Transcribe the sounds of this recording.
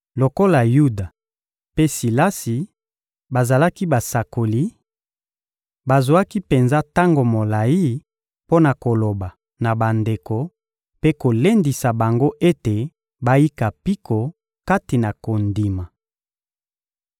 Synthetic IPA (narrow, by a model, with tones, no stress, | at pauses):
lo˨ko˦la˨ju˦da˨ | pe˦si˨la˦si˨ | ba˨za˨la˦ki˦ba˨sa˨ko˨li˦ | ba˨zwa˦ki˦pe˨nza˦ta˦ŋɡo˨mo˨la˨i˦ | po˦na˨ko˨lo˨ba˨ | na˨ba˨nde˨ko˨ | pe˦ko˨le˦ndi˨sa˨ba˨ŋɡo˦ʔe˦te˨ | ba˦ji˦ka˨pi˦kʰo˨ | ka˦ti˨na˨ko˨ndi˨ma˨